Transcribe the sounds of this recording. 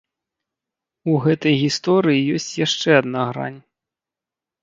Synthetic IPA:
uɣɛt̪ɐjɣʲist̪ɔɾɨjijɔsʲt͡sʲjaʂt͡ʂɛɐd̪naɣɾa̰nʲ

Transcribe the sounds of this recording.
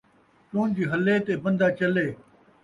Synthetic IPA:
t͡ʃõːnd͡ʑiːɦɐleːt̪eːbə̃nd̪ʱaːt͡ʃɐleː

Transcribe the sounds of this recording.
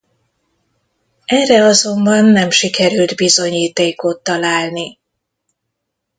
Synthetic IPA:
ɛrɛɒzo̞mbɒnːɛmʃikɛɾyld̪bizo̞ɲiːt̪eːkot̪ːɒlaːlni

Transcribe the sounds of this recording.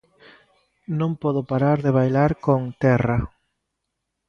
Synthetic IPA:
nõmpɔðopaɾaɾðeβ̞ajlaɾkoŋt̪ɛra

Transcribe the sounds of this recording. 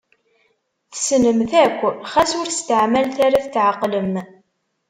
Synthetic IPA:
θsnəmθækʷːəχæsʊɾθst̪əʕmælθaɾaθt͡sːʕaqːləm

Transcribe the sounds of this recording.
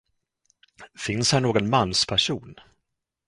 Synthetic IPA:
fɪnshæɳoːɡɔnmanːspʰæʂuːn

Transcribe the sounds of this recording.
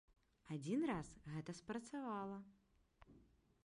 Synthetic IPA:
ad͡zʲinrasɣɛt̪ɐspɾɐt̪savalˠɐ

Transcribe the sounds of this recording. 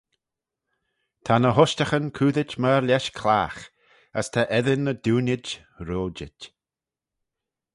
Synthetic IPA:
t̪ʰanəɦɔʃtaxənkʰuːðɪt͡ʃməɾlʲɛʃkʰlaːx | əst̪ʰaʔɛðɪnːəd̪uːnɪd͡ʒ | ɾoːd͡ʒɪt

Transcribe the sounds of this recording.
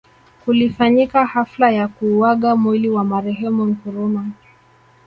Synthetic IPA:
hulifaɲikahaflajakuwaɠamwiliwamaɾɛɦɛmum̩kuɾuma

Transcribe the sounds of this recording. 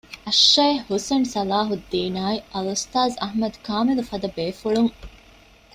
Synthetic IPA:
ɐʃːɐjhhusensɐlaːɦud̪ːiːnaːiʔɐlɐst̪aːzɐɦmɐd̪kaːmilufɐd̪ɐbeːfuɭuŋ

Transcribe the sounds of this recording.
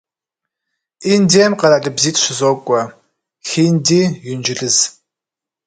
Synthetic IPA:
iːndeːmqɐɾaɮɨbziːtʰʼɕʷɪzoːkʷʼɔ | xiːndiːjʊnd͡ʒɪɮɨz

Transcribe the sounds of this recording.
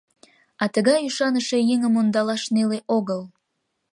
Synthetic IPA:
ɑt̪əɣɑjyʃɑnəʃejeŋəmond̪ɑlɑʃneleʔoɣəl

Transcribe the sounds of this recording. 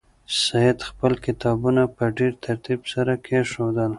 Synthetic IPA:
sajɪd̪xpəlkɪt̪ɑbunapəɖeɾt̪ʰaɾt̪ibsaɾakʰeʃod̪əl

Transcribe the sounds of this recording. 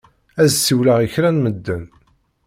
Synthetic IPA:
æzsiwlaʁiçɾænməd̪ːən

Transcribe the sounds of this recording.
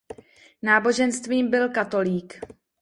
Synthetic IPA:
naːbo̞ʒɛnst̪viːmbɪlkat̪o̞liːk

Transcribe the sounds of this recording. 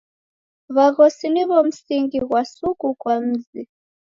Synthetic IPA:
βaɣɔsiniβɔm̩siŋɡiɣwasukukwam̩zi

